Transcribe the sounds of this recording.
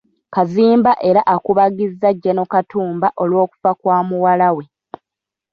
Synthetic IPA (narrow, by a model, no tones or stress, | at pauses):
kaziːmbaʔe̞ɾaʔakuβaɡizːaɟːeno̞katuːmbaʔo̞lwo̞ːku̥fakwaːmuwalawe̞